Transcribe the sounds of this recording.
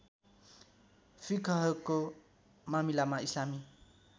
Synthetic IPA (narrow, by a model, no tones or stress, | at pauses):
fikʰɔɦʌko | mamilamaislami